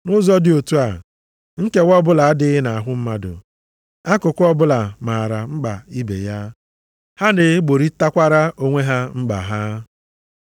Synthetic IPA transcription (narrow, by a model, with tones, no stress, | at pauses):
nʊ˦zɔ˦dɪ˨o˨tu˦a˨ | ŋ̩˦ke˦wɔ˦bʊ˦la˨a˦dɪ˦ɪ˦na˨a˨ɦʊ˦m̩˦ma˦dʊ̰˨ | a˦kʊ˨kʷʊ˦ɔ˦bʊ˦la˨maː˨ɾa˨ŋ͡m̩˦ɡ͡ba̰˨i˦bḛ˨ja˦ | ha˦nɪ˨˦ɡ͡bo˨ɾi˦ta˦kʷa˦ɾa˦o˦ŋʷe˦ɦa˦ŋ͡m̩˦ɡ͡ba̰˨ɦa˦